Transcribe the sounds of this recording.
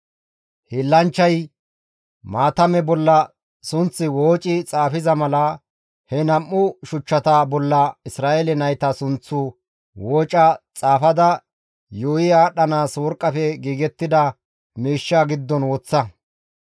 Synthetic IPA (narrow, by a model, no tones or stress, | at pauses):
hɪlːɐnt͡ʃːɐj | maːt̪ɐmɛbɔlːɐ | sʊnt͡sːɪwoːt͡ʃʼɪt͡sʼaːfɪzɐmɐlɐ | hɛnɐmːʊʃʊt͡ʃːɐt̪ɐbɔlːɐɪsɾaːʔelɛnɐjt̪ɐsʊnt͡sːʊ | woːt͡ʃʼɐt͡sʼaːfɐd̪ɐ | joːjɪaːɗɐnaːswɔɾkʼːɐfɛɡiːɡɛt̪ːɪd̪ɐ | miːʃːaːɡɪd̪ːɔnwɔt͡sːɐ